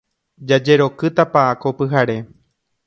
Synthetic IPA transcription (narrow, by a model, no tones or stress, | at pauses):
d͡ʒad͡ʒe̞ɾo̞kɨt̪apaakopɨɦaɾe̞